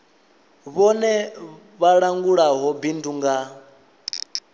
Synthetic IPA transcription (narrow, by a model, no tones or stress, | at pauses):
βɔnɛ | βaɺaŋɡuɺaɦɔbinduŋɡa